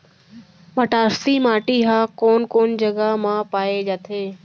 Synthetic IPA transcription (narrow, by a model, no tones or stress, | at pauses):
mɐʈaːɾt̪imaːʈiɦaːkoːnkoːnd͡ʑɐɡamãːpaːed͡ʒaːt̪ʰeː